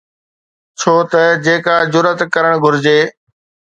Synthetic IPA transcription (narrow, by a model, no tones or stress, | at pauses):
t͡ɕʰoːt̪ɐd͡ʑeːkaːd͡ʑʊɾət̪kɐɾəɽ̃ɡʱʊɾɪd͡ʑeː